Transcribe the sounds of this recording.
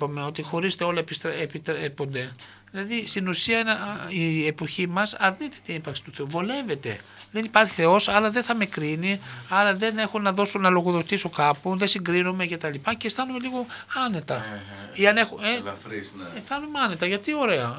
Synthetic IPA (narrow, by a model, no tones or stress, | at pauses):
pɐme̞o̞t̪ixo̞ɾist̪eo̞lɐepist̪epit̪ɾepo̞nd̪e̞ | ðilɐðist̪inusiɐnɐiepo̞çimɐsɐɾnit̪e̞̥t̪inipɐɾksi̥t̪uθe̞uvo̞le̞ve̞t̪e̞̰ðe̞nipɐɾçi̥θe̞o̞sɐɾɐðe̞nθɐme̞kɾiniɐɾɐðe̞ne̞xunɐðo̞sunɐlo̞ɣoðo̞t̪isokɐpuðesiŋɡɾinome̞ce̞t̪ɐlipɐce̞st̪ɐnume̞liɣo̞ɐne̞t̪ɐ | iɐnexue | ft̪ɐnumeɐne̞t̪ɐʝɐt̪io̞ɾe̞ɐ